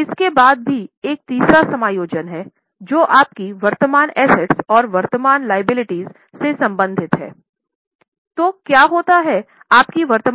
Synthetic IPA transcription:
ɪskebaːd̪̚bʱieːk̚t̪iːsɾasɐmaːjoːd͡ʒənɦɛ | d͡ʒoːʔaːp̚kiʋɐɾt̪əmaːnɛːsɛʈsɔːɾʋɐɾt̪əmaːnlaːɪbɪlɪʈiːz | sesɐ̃mbə̃nd̪ʱɪt̪ɦɛ̰ː | t̪oːkjaːɦoːt̪aɦɛ | aːpkiʋɐɾt̪əm

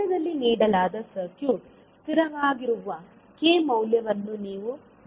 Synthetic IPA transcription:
ɐd̪ɐlːiniːɽɐlaːd̪ɐsɐɾkjuːʈ | t̪iɾɐʋaːɡiɾuʋɐ | keːmɐwljɐʋɐnːuniːʋu

